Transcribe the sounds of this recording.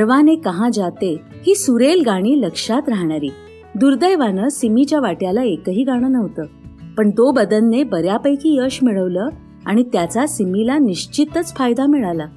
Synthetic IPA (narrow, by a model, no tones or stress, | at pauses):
əɾʋanekəɦãd͡zat̪e | hiːsuɾelɡaɽ̃iːləkʂat̪ɾaɦɳaɾiː | d̪uɾd̪əjʋanəːsimit͡ɕjaʋaʈjalaekəɦiːɡaɽ̃ənəʋt̪əː | pəɳt̪obəd̪ənːebəɾjapəjkiːəɕmiɭəʋləː | aɽ̃it̪jat͡sasimilaniɕt͡ɕit̪ət͡sfajd̪amiɭala